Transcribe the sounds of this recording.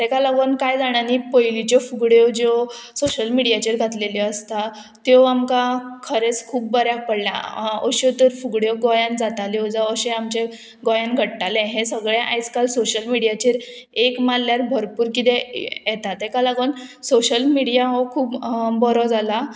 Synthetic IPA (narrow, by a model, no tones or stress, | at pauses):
t̪ɛkalaɡonkajd͡zaɽ̃anipəjlit͡ɕɔfuɡɽjɔd͡ʑɔsoɕəlmiɽijat͡ɕiɾɡʱat̪leliəst̪a | t̪jɔamkakʰəɾet͡skʰuːpbəɾjak̚pəɽlja̰ə̰ɕet̪əɾfuɡɽjɔɡɔjãnd͡zat̪aled͡zaəɕẽamt͡ɕe | ɡɔjanɡʱəʈʈalɛ̃ɦẽsəɡɭeʔa̰jskalsoɕəlmiɽijat͡ɕiɾ | ekmalːjaɾbʱəɾpuːɾkit̪ejɛt̪at̪ɛkalaɡonsoɕəlmiɽijaɦɔkʰuːpbɔɾɔd͡zala